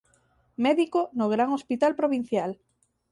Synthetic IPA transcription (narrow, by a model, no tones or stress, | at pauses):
mɛðikonoɣɾaŋospit̪alpɾoβin̟θjal